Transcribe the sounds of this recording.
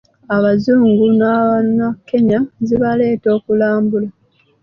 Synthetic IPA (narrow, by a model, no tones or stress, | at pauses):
aβazuːŋɡunaanakːe̞ɲaziβale̞ːto̞ːkulaːmbula